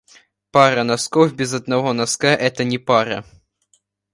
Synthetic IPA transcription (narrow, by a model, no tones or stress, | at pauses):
paɾɐnɐskɔfbʲɛzɐd̪̚nɐvɔnɐskaʔɛt̪ɐnʲɛpaɾɐ̰